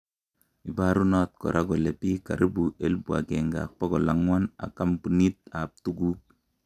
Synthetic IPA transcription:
i˨ba˨ɾu˦na˦t̚kɔ̰˨ɾʔa˦ɡɔ˨le˨pi˦ka̰˨ɾi˦bu˨ʔe˦lbu˨a̰˨ke˨ŋɡa̰˨k̚pɔ˦ɡɔ˨la˨ŋwa˦na̰˨ka˦mpu˨ni˦t̚a˨p̚tu˦ɡu˦k̚

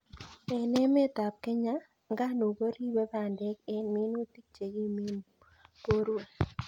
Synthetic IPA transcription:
ɛ˨nɛ˦me˦t̪a˨p̚ke˦ɲa˦ | ŋɡa˦no˨ɡo˦ɾi˦be˦ba˦˨ndɛ˦ke˦nmi˦nu˦t̪i˦k̚t͡ʃe˨ɡi˦mi˦n | po˦ɾe˨

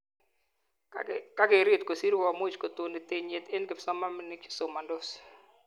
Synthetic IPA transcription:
ka˦ɡɪ˨ɾi˦˨t̪ko˨si˦ɾwa˨mo˦i˨t͡ʃko˨t̪o˨nɪ˨t̪e˨ɲe˨t̪e˦nɡɪ˨psɔ˦ma˦mnɪ˦kɪ̥˨so˨ma˨ndo˦s

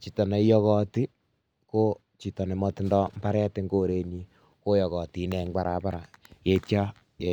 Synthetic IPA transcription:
t͡ʃi˨tɔ˨ne˨˦jɔ˦kɔ˦ti˦ | ko˦ | t͡ʃi˨tɔ˨ne˨mɔ˧tɪ˦ndɔ˦m̩˦ba˦ɾɛ˦tɪ˦ŋɡoː˦ɾe˨ɲi˦ | ko˦jɔ˨ɣɔ˨ti˨˦nɛ˨ŋɡ͡ba˨ɾa˨pa˦ɾa˨je˨˦tja˦ | je˨

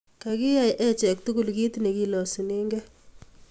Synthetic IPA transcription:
ka˨kɪ˦ja˨jʔɛ˦t͡ʃɛ˨k̚tu˦ku˨lki˦tne˨ki˦lɔ˨si˨ne˦ŋɡɛ˦

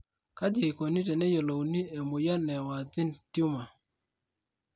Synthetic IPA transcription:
ka˦d͡ʒe˨ko˨ni˦tɛ˨nɛ˦jɔ˨lo˨wni˦e˨mʊ˨ja˦nɛ˨wa˨d̪ɪ˦ntju˦ma˨

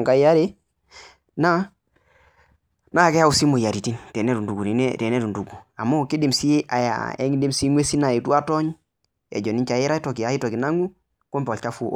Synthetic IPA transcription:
ŋka˨i˦ja˦ɾi˦ | na˦ | na˦a˨ke˦a˦u˨si˦mo˨ja˨ɾi˨ti˦nte˨ne˦tu˨ndu˨ɡu˨ni˨ne˦te˨ne˦tu˨ndu˨ɡu˨a˨mːo˦ki˦di˨msi˦ʔa˨ja̰˨ḛ˦ŋi˦di˦msi˦ŋwe˦si˦na˨i˨tu˦a˦to˦ɲ | ḛ˨d͡ʒo˨ni˦ɲt͡ʃa˨ji˦ɾa˦i˦to˨ki˨a˨˦i˦to˨ki˨na˦ŋu˦ | ko˦mpo˨lt͡ʃa˦fu˦ʔ

